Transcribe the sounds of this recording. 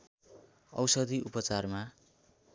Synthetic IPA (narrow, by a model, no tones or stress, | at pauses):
ʌ̰wsʌd̪ʱiupʌt͡sarma